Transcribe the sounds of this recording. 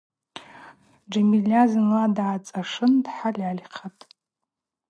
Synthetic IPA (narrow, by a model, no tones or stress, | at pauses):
d͡ʒamilʲazɨnladʕat͡sʼaʂɨndħalʲʕalʲχʰatʼ